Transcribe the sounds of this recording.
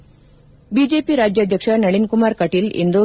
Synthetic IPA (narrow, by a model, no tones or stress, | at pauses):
biːd͡ʒeːpiɾaːd͡ʒjɐd̪ʱjɐkʂɐnɐɭinkumaːɾkɐʈilḭnd̪oː